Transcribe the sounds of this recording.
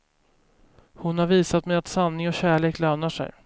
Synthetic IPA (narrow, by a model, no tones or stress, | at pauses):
hʊnhaɾviːsat̪mɛjat̪sanːɪŋɔɕæːɭeːkløːnaʂɛ̰j